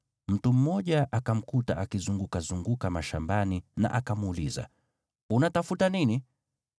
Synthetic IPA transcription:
m̩tum̩mɔʄaʔakam̩kutaʔakizuŋɡukazuŋɡukamaʃa̰mbanina̰ʔakamuliza̰ | unatafutanini

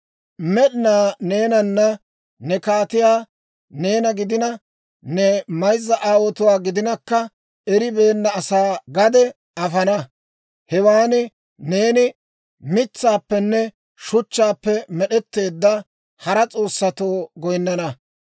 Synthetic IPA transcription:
mɛɗɪnaːne̞ːnɐnːɐ | nɛkaːt̪ɪjaː | ne̞ːnɐɡɪd̪ɪnɐ | nɛmɐjzːɐʔaːwɔt̪ʊwaːɡɪd̪ɪnɐkːɐ | ɛɾɪbe̞ːnːɐːsaːɡɐd̪ɛ | ɐfɐnɐ | hɛwaːnɪ | ne̞ːnɪ | mɪt͡sːaːpːɛnːɛ | ʃʊt͡ʃːaːpːɛmɛɗɛt̪ːe̞ːd̪ːɐ | hɐɾɐt͡sʼo̞ːsːɐt̪oːɡɔjnːɐnɐ

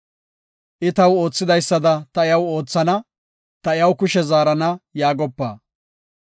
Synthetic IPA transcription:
ʔɪt̪ɐwo̞ːt͡sːɪd̪ɐjsːɐd̪ɐt̪ɐɪjɐwo̞ːt͡sːɐnɐ | t̪ɐɪjɐwkʊʃɛzaːɾɐnɐjaːɡɔpːa̰ː

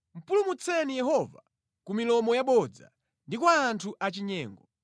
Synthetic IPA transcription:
m̩pulumut͡sʰɛnijɛɦɔva̰ | kumilɔmɔjaɓɔd͡za̰ | ndikwaːntʰuʔat͡ʃiɲɛːŋɡɔ

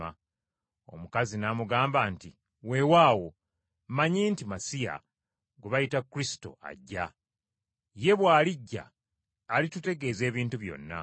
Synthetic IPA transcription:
a | o̞̰mukazinamuɡaːmbanti | we̞waːwo̞ | maɲiːntimasija̰ | ɡuβajitakːuɾisi̥to̞̰a̰ɟːa | je̞βwaːliɟːa̰ː | litute̞ɡe̞ːze̞ːβiːntuβjo̞̰nːa̰

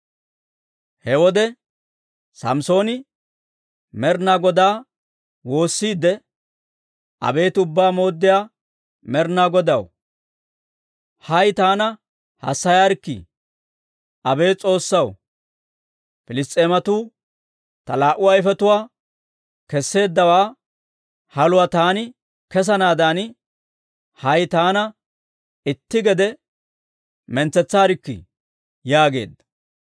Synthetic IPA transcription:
hɛwɔd̪ɛ | sɐ̰mso̞ːnɪ | mɛɾnaːɡɔd̪aː | wo̞ːsːiːd̪ːɛ | ʔɐ̰be̞ːt̪ʊbːaːmo̞ːd̪ːɪjaː | mɛɾnaːɡɔd̪ɐw | hɐjt̪aːnɐ | hɐ̰sːɐjaːɾkːḭ | ʔɐbe̞ːt͡sʼo̞ːsːɐw | fɪlɪst̪ʼːe̞ːmɐt̪uː | t̪ɐlaːʔʊwaːɪfɛt̪ʊwaː | kɛsːe̞ːd̪ːɐwaː | hɐlʊwat̪aːnɪ | kɛs̬ɐnaːd̪aːn | hɐjt̪aːnɐ | ɪt̪ːɪɡɛd̪ɛ | mɛnt͡sːɛt͡sːaːɾɪkːɪ̰ | jaːɡe̞̰ːd̪ːɐ̥

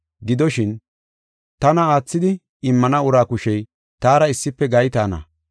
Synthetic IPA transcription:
ɡɪd̪ɔʃɪn | t̪ɐnɐaːt͡sːɪd̪ɪ | ɪmːɐnɐʊɾaːkʊʃɛj | t̪aːɾɐɪsːɪpːɛɡɐjt̪aːnɐ̰

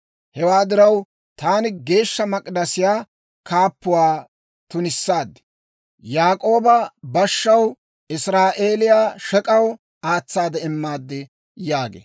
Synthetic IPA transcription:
hɛwaːd̪ɪɾɐw | t̪aːnɪɡe̞ːʃːɐmɐkʼd̪ɐsɪjaː | kʰaːpːʊwaː | t̪ʊnɪsːaːd̪ːɛ̥ | jaːkʼo̞ːbɐbɐʃːɐw | ʔɪsɾaːʔe̞ːlɪjaːʃɛkʼɐw | aːt͡sːaːd̪ɛɪmːaːd̪ːɪ | jaːɡḛː

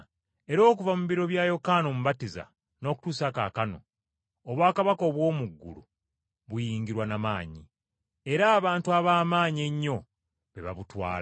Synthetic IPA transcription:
e̞ɾo̞ːkuvamuβiɾo̞βjajo̞kaːno̞muβatiza̰ | no̞ːku̥tuːsaka̰kano̞̰ | oβwaːkaβako̞ːβwo̞ːmuɡːṵlṵ | βujiːŋɡiɾwanamaːɲi | e̞ɾaːβaːntuaβaːmaːɲie̞ɲːo̞ | βe̞̰βa̰βutwa̰ːla

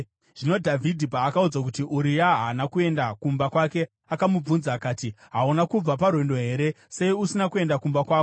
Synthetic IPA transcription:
ʐ̥ino̞dʱavʱidʱipaːkaud͡zakutiʔuɾijaɦanakue̞ndakumbakwake̞ | akamub͡vunzaːkaːtiɦaunakub͡vaparwe̞ndo̞ɦe̞ːɾe̞ | se̞iusinakue̞ndakumbakwaːko

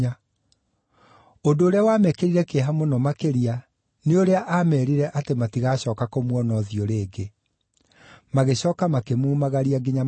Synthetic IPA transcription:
a | ondoːɾeawamɛkeɾiɾɛkeɦamonɔmakeɾia | neoɾeaʔamɛɾiɾɛʔatematiɣaɕɔːkakomwɔnɔðioɾeːɡe | maɣeɕɔːkamakemuːmaɣaɾiaɡiɲa

